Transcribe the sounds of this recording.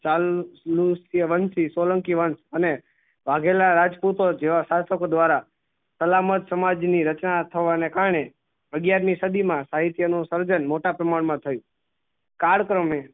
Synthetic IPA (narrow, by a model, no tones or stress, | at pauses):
t͡ʃalːusijəʋənsisoləŋkiʋənsəne | ʋaɡʱelaɾad͡ʒput̪od͡ʒeʋaʃasəkod̪ʋaɾa | səlamət̪səmad͡ʒniɾət͡ʃnat̪ʰəʋanekaɾɳe | əɡjaɾmisəd̪imãsaɦit̪jənũsəɾd͡ʒənmoʈapɾəmaɳ̃mãt̪ʰəjũ | kaɽkɾəme